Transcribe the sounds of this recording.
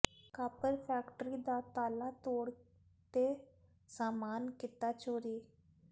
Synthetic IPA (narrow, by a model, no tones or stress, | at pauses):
kaːpəɾpʰɛːkʈɾiːd̪aːt̪aːlaːt̪oːɽ | t̪eː | saːmaːnkɪt̪aːt͡ʃoːɾiː